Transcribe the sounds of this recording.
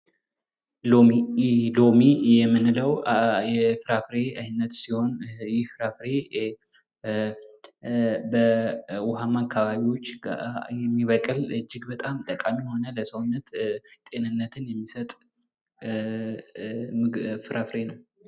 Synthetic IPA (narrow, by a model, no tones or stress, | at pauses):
l | lo̞mijɛmːɨnləwjɛfɨɾafɾe̞ajɨnːət̪siho̞njɪfɨɾafɾe̞ | bəwɔɦamakʰːaβaβiwo̞t͡ʃːjɛmːiβəkʼɨlɨd͡ʒːɪɡbət̪ʼamt̪ʼəkʼamiho̞nələsəwnːət̪t̪ʼe̞nɨnːət̪ʰɨnjɛmːisət̪ʼ | fɨɾʔafɾe̞nəw